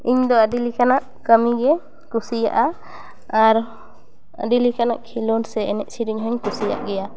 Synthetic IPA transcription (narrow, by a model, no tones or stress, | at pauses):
iɲd̪ɔəɖilikanaʔ | kəmiɡɛ | kusija̰ʔa | aɾ | ə̰ɖilikanaʔkʰilɔnsɛɛnɛʔ̚siɾiɲɦɔɲkusija̰ʔɡɛja